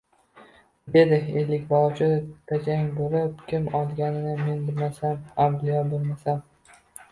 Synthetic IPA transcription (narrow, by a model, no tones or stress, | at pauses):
d̪e̞d̪ɪelːɪkʲbɒt͡ʃʰɪt̪ʰad͡ʒʰaŋʲboɾɪpkʲɪmɒlˠɡʲanɪnɪme̞nbɪlmasanamlɪjɒbolˠmasam